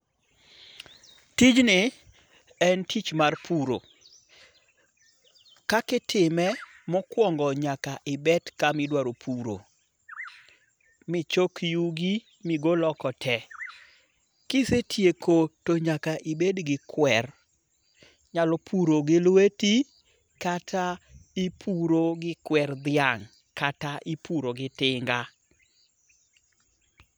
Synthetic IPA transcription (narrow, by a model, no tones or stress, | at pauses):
tid͡ʒnɪ | ɛntʰit͡ʃmarpʰuɾo̰ | kakɪtʰɪmɛ | mɔkwɔŋɡɔɲakaʔɪbɛtkamɪdwaɾopʰuɾo̰ | mɪt͡ʃokjuɡi | miɡolɔkɔtʰɛ | kɪsetʰjekotoɲakaʔɪbedɡɪkwɛr | ɲalɔpʰuɾoɡɪlweti | katʰaipʰuɾoɡɪkwɛrd̪ɪaŋ | kataʔipuɾoɡɪtɪŋɡa